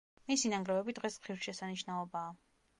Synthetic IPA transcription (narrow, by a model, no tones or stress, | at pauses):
misinaŋɡɾɛvɛbid̪̥ʁɛsiʃɛsaniʃnaɔbaː